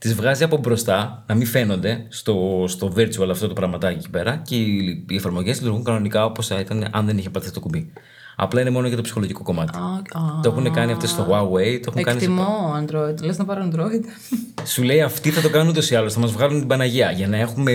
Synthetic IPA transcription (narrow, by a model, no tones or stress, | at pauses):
t̪izvɣɐziɐpo̞bɾo̞st̪ɐnɐmiɱfe̞no̞nd̪e̞st̪o̞st̪o̞veɾt͡suɐlɐft̪o̞t̪upɾɐɣmɐt̪ɐeci̥pe̞ɾɐceiefɐɾmo̞ʝelit̪uɾɣuŋkɐno̞nikɐopo̞sɐit̪ɐneʔɐnðe̞niçepɐt̪iθit̪o̞kubi | ɐ̰plɐine̞mo̞noʝɐt̪opsi̥xo̞loʝiko̞ko̞mɐt̪i̥t̪o̞e̞xunekɐniɐft̪est̪o̞ɣwɐwe̞jt̪oe̞xuekɐɐnist̪imoɐnd̪ɾoid̪leznɐpɐɾoɐnd̪ɾoid̪ | sule̞iɐft̪iθɐt̪o̞kɐnunut̪o̞siɐlo̞sθɐmɐzvɣɐlunt̪ibɐnɐʝiɐʝɐnɐe̞xume̞